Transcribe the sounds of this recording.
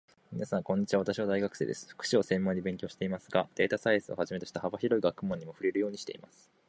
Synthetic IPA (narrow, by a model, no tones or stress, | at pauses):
mʲinasãŋkõ̞ɲ̟ːit͡ɕiβaβat̪aɕiβad̪aiɡakɯ̟̥se̞̰ːd̪e̞sɨ̥ɸɯ̥kɯ̟̥ɕio̞sẽ̞mːõɲ̟ːibe̞ŋkʲoːɕi̥t̪e̞imasɨɡad̪̥e̞ːt̪asaisɨo̞̰haʑimet̪o̞ɕi̥t̪ahabaçiɾo̞iɡakɯ̟mõ̞ɲ̟ːimo̞ɸɯ̟ɾe̞ɾɯ̟jo̞ːɲ̟iɕi̥t̪e̞ḭmasɨ̥